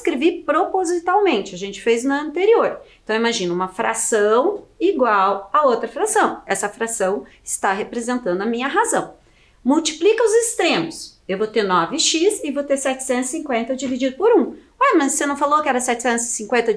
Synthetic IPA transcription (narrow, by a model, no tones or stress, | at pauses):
skɾevipɾopozit̪awmẽnt͡ʃɪɐʒẽnt͡ʃɪ̥fejznʊɐ̃nt̪eɾioɾẽt̪ɐ̃w̃imaʒĩnʊũmɐfɾa̰sɐ̃w̃iɡwawɐowt̪ɾɐfɾasɐ̃w̃ɛsɐfɾasɐ̃w̃ | ɪ̥st̪aɦepɾezẽnt̪ɐ̃nd̪ʊɐmĩɲɐɦazɐ̃w̃ | muwt͡ʃi̥plikɐʊzɪst̪ɾẽmʊs | ewvot̪eɾnɔvɪʃizɪvot̪eɾsɛt͡ʃɪ̥sẽnt̪ssĩkwẽnt̪ɐd͡ʒivid͡ʒid̪ʊpoɾũ | amɐssenɐ̃w̃falokɪɛɾɐsɛt͡ʃɪ̥sẽnʊzsĩŋkwẽnt̪ɐ